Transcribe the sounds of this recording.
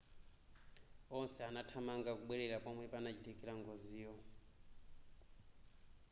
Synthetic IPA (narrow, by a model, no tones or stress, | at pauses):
ɔnsɛanatʰamaŋɡakuɓwɛɺɛɺapamwɛpanat͡ʃitʰɛkʼɛɺaŋɡoziːɔ